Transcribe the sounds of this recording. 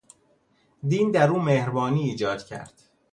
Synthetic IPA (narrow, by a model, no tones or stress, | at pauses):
d̪iːnd̪æɾuːmehɾbɒːniːiːd͡ʒɒːd̪̥cʰæ̰ɾd̪̥